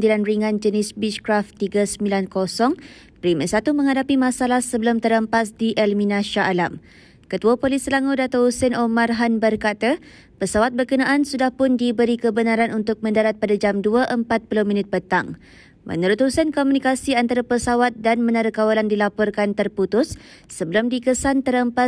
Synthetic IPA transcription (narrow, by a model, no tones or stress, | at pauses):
dilanriŋãnd͡ʒənɪsbit͡ʃkɾaft̪iɡasəmilankosɔŋ | pɾiməsat̪umə̃ŋhadapimãsalahsəbəlʊmt̪əɾəmpasdiʔɛlmĩnãʃaʔːla̰m | kət̪uapolisəlaŋudat̪ɔhusɛnomarɦanbərkat̪a | pəsawat̪̚bərkənaʔansudahpʊndibəɾikəbənaɾanʔunt̪ʊk̚mə̃ndaɾat̪̚padad͡ʒamduaʔəmpat̪̚pulominɪt̪̚pət̪a̰ŋ | mʔə̰nuɾʊt̪̚husənkomunikasiant̪aɾapəsawat̪̚danmə̃naɾəkawalandilapɔrkant̪ərput̪ʊsː | əbəlʊmdikəsant̪əɾəmpa